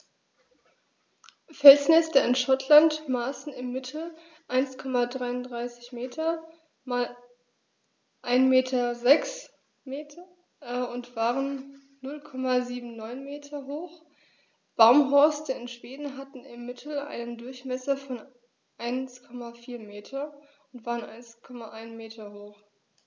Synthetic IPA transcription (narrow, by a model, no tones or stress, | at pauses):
fɛlsnɛstəɪnʃɔtʰlantmaːsn̩ɪmːɪtʰl̩ | ʔaɪnskʰɔmadʁaɪʊndʁaɪsɪ̥çmeːtʰɐ | maːl | ʔaɪnmeːtʰɐzɛks | meːtʰɐ | ʊntv̥aːʁənː | ʊlkʰɔmaziːbm̩nɔʏnmeːtʰɐɦoːx | b̥aʊmɦɔɐstəɪnʃv̥eːdn̩ɦatn̩ɪmːɪtʰl̩ʔa̰ɪnəndʊɐçmɛsɐfɔn | ʔaɪnskʰɔmafiːɐmeːtʰɐʊntv̥aːʁənʔa̰ɪnskʰɔmaʔaɪnmeːtʰɐhoːχ